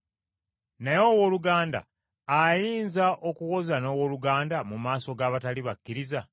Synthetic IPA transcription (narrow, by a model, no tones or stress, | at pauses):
najo̞woːluɡaːnda̰ː | jiːnzaʔo̞kuwo̞zano̞ːwo̞luɡaːndamumaːso̞ɡaːβataliβakːiɾiza